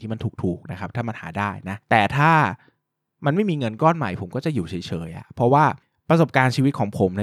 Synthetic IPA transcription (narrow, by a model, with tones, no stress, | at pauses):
i˥˩ma˧nt̪uː˨˩k̚t̪ʰuː˨˩k̚na˦˥kʰɾa˦˥p̚t̪ʰaː˥˩ma˧nha̰ː˩˦daː˥˩jna˦˥t̪ɛː˨˩t̪ʰaː˥˩ | ma˧nma˥˩jmiː˧ŋɤ˧nkɔː˥˩nma˨˩jpʰo˨˩˦mkɔː˥˩t͡ɕa˨˩juː˨˩t͡ɕʰɤː˩˦jt͡ɕʰɤː˨˦jʔa̰˨˩pʰɾɔ˦˥waː˥˩ | pɾa˧so˨˩p̚kaː˧nt͡ɕʰiː˧wi˦˥t̪̚kʰɔː˩˦ŋpʰo˨˩˦mna˦˥